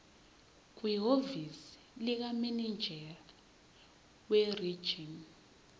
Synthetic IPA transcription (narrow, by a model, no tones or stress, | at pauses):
k̬ʼwiɦovis | lik̬aminind͡ʒʱɛ | weri̥ʒ̥ʱin